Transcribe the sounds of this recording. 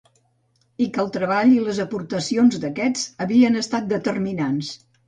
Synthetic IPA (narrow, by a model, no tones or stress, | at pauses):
ikəlˠt̪ɾəβ̞aʎiləzəpuɾt̪əsionzd̪əkɛd͡zəβiənəst̪at̪̚d̪ət̪ərminans